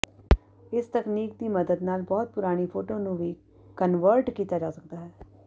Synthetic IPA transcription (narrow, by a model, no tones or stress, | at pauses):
ɪst̪əkniːk̚d̪iːməd̪əd̪naːlbɔːt̪̚pʊɾaːɽ̃iːpʰoːʈoːnũːʋiː | kənʋəɾʈkiːt̪aːd͡ʒaːsək̚d̪aːɦɛː